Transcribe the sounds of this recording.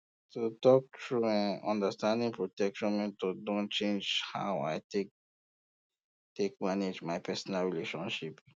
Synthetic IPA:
tutɔk̚tʰɹuɛ̃nãndəstãndĩŋpʰɹotɛkʃɔ̃nmɛ̃ntodõnt͡ʃẽnd͡ʒha̰ʊa̰jtek | tekmaned͡ʒmajpɛsɔnalɹileʃɔ̃nʃip

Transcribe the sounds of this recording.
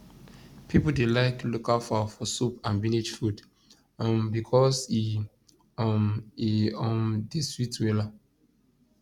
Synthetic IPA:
pʰipl̩delaɪklokalfafɔsupãnvĩnid͡ʒfud | mbikʰɔsi | miɔ̃mdeswitwela

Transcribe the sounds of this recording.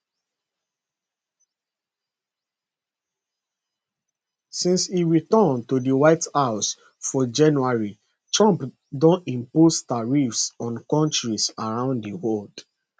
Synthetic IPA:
sĩnsiɹitɔntodiwaɪthaʊs | fɔd͡ʒãnuaɹi | tɹãmp | dɔ̃nĩmpostaɹifsɔ̃nkɔ̃ntɹisaɹãʊ̃nddiwɔld̥

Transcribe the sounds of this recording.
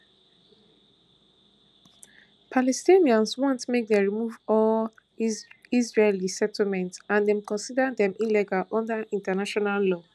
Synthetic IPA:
pʰalɛstiniãnswɔ̃ntmek̚dɛɹimuvɔl | izɹelisɛtl̩mɛ̃ntãndɛ̃mkɔ̃nsidãdɛ̃milɛɡalʔɔ̃ndaĩntanaʃɔnallɔ

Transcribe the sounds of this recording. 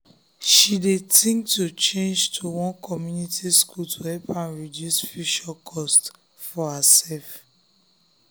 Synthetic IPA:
ʃidetʰĩŋktut͡ʃẽnd͡ʒtʰuwɔ̃nkʰɔmjunitiskʰultʰuhɛpãnɹidjusfiʃɔkʰɔst | fɔhasɛlf

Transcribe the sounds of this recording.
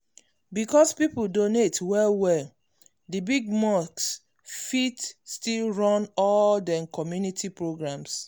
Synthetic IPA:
bikɔspipuldonetwɛlwɛl | dibiɡ̚maks | fitstilɹɔ̃nɔldɛ̃nkʰɔmjunitʰipɹoɡɹãms

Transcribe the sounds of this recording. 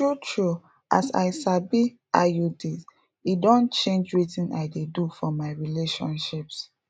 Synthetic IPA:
tɹutʰɹu | ʔa̰sa̰ɪʃabi | ajudis | idõnt͡ʃẽnd͡ʒɹitĩna̰ɪdedufɔmaɪɹileʃɔ̰̃nʃips

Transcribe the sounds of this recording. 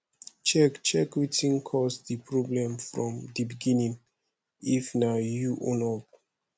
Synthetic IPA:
t͡ʃɛkt͡ʃɛkwitĩnkʰɔsdipʰɹɔblɛ̃mfɹɔ̃mdibiɡĩnĩŋ | ifnajuʔɔ̃nɔp̚

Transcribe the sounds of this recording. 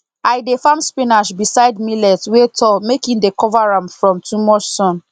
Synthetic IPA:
ajdefãmspĩnaʃbisaɪdmilɛtwetʰɔmekĩndekɔvaɹãmfɹɔ̃mtʰumɔt͡ʃsɔ̃n

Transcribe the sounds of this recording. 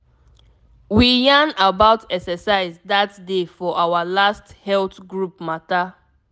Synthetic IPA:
wijãnabaʊtɛksɛsaɪzdatdefɔʔawalasthɛltɡɹup̚mata

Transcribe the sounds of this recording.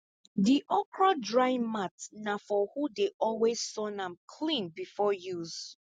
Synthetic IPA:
diʔɔpɹadɹaɪmatnafɔhudeʔɔlwez̥sɔnãmkʰlĩnbifɔjuz̥

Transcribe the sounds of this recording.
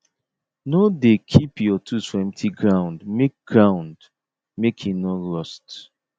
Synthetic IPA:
nodekʰipjɔtʰuswɛ̃mtʰiɡɹãʊ̃ndmek̚ɡ̥ɹãʊ̃nd | mekʰinoɹɔst

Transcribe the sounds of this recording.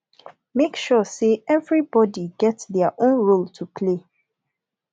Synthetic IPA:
mekʃɔseɛvɹibɔdiɡɛtsðɛəʔõnɹoltʰupʰle

